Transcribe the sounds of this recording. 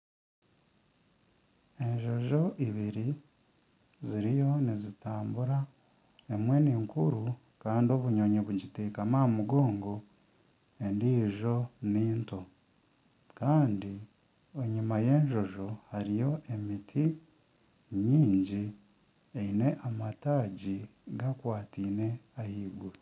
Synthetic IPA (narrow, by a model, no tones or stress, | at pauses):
e̞ɲʒo̞ʒo̞ʔiβiɾi | ziɾijo̞nizitaːmbuɾa | emwe̞niːŋkuɾu | kaːndio̞βuɲoɲoβuɟitikamaːmuɡoːŋɡo̞ | e̞ndiːʒo̞niːnto̞ | kaːndi | eɲumaje̞ːɲʒo̞ʒo̞haɾijo̞ʔemitʰi | ɲiːɲɟi | eine̞ʔamataːɟiɡakwaːtiːne̞ahiːɡuɾi